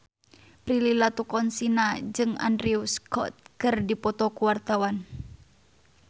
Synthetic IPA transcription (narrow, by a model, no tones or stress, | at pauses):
pɾililat̪ukɔnsinad͡ʒɨŋa̰ndɾiuskɔ̰t̪̚kɨrdipɔt̪ɔkuwart̪awan